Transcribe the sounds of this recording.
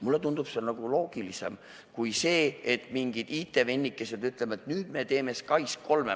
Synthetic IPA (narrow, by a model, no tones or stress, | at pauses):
mulːe̞t̪und̪̥upsenɑɡ̥ulo̞ːɡ̥ilise̞̰m | kujse̞ːet̪ˑmiŋɡ̥id̪̥it̪ːˑe̞ve̞nʲːikːˑe̞se̞d̪yt̪ˑlemɑt̪nyːd̪̥me̞t̪e̞ːme̞skɑjskʰo̞lme